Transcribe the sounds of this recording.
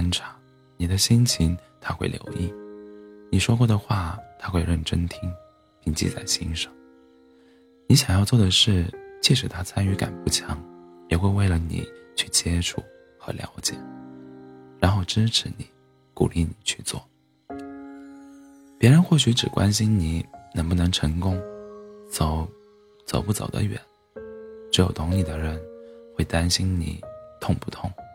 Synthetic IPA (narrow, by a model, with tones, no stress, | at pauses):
nʈ͡ʂʰa˧˥ | ni˨˩d̪ə˦ɕi˥ŋt͡ɕʰi˧˥ŋt̪ʰa˥xwe˥˩ɪljo̰˧˥ʊḭ˥˩ | ni˨˩ʂwɔ˥k̬wɔ˥˩d̪ə˩xwa˥˩t̪ʰa˥xwe˥˧ɪɻə˥˩nʈ͡ʂə˥nt̪ʰi˥ŋ | pi˥˩ŋt͡ɕḭ˥˧t͡sa̰˥˩ɪɕḭ˥nʂɑ˥˩ŋ | ni˧˥ɕjɑ˨˩ŋjɑ˥˧ʊt͡swɔ˥˩d̪ə˩ʂɻ̩˥˩t͡ɕʰjɛ˥˩ʂɻ̩˧˥t̪ʰa˥t͡sʰa˥ny˧˥ka̰˨˩npu˥˩t͡ɕʰjɑ˧˥ŋjɛ˨˩xwe˥˧ɪwe˥˩ɪlə˩nḭ˨˩˦t͡ɕʰy̥˥˩t͡ɕjɛ˥ʈ͡ʂʰu˥˩ | xɤ̰˧˥ljɑ̰˧˥ʊt͡ɕjɛ̰˨˩˦ | ɻa˧˥nxo˥˩ʊʈ͡ʂɻ̩˥ʈ͡ʂʰɻ̩˧˥ni˨˩˦ | kṵ˨˩li˥˩ni˨˩t͡ɕʰy˥˧t͡swɔ̰˥˩ | pjɛ˧˥ɻə˧˥nxwɔ˥˩ɕy˧˥ʈ͡ʂɻ̩˨˩kwa̰˥nɕi˥nni˨˩˦nə˧˥ŋpu˥˩nɤ˧˥ŋʈ͡ʂʰɤ˧˥ŋkʊ˥ŋt͡so˧˦ʊ | t͡so˨˩ʊpu˥˩t͡so̰˨˩ʊd̪ə̰˦ɥɛ̰˨˩˦n | ʈ͡ʂɻ̩˧˥jo˨˩ʊt̪ʰʊ˧˥ŋni˨˩d̪ə˦ɻə˧˥nxwe˥˩ɪt̪a˥nɕi˥nnḭ˨˩˦t̪ʰʊ˥˧ŋpu˥˩t̪ʰʊ˥˩ŋ